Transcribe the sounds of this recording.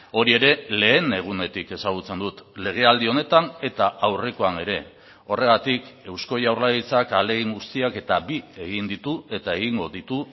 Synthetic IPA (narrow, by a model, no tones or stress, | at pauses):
o̞ɾie̞ɾe̞le̞ːne̞ɣ̞une̞t̪ike̞saɣ̞ut͡se̞nd̪ut̪le̞ɣ̞e̞ald̪io̞ne̞t̪ane̞t̪aʔawre̞ko̞ane̞ɾe̞ | o̞re̞ɣ̞at̪ike̞wsko̞jawrlaɣit͡sakale̞ɣiŋɡust̪iake̞t̪abie̞ɣind̪it̪ue̞t̪ae̞ɣ̞iŋɡo̞ðit̪u